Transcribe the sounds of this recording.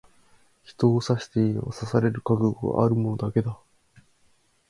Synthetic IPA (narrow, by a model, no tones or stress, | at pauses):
çi̥t̪o̞ːsaɕi̥t̪eiɲ̰βa̰sasaɾe̞ɾɯ̟kaɡɯɡoɡa̰ʔaɾɯ̟mo̞no̞d̪ake̞d̪a